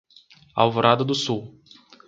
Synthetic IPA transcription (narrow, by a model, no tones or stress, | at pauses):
a̰wvoɾad̪ɐd̪ʊsuw